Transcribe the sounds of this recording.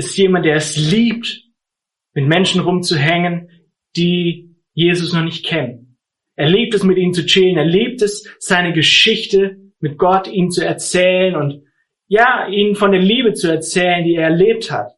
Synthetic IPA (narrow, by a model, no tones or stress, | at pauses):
ɪstjeːmant̚d̥eːɐɛsliːp̚t | mɪtmɛnʃn̩ʁʊmt͡suɦɛŋən | d̥iː | jeːzʊsnɔχnɪçt̚kʰɛnən | ʔeːɐliːp̚tɛsmɪtʔiːmt͡sut͡sɪləneːɐliːp̚tɛsz̥aɪnəɡəʃɪçtə | mɪt̚ɡ̥ɔtiːmt͡suɛɐt͡sɛːlənʊnt | jaːʔiːnfɔndeːɐliːbət͡suɛɐt͡sɛːləndiːeːɐɛɐleːp̚tha̰t